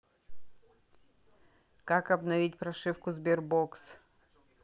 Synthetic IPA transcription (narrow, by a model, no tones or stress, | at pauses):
kakɐbnɐvʲitʲpɾɐʂɨfkʊzbʲerboks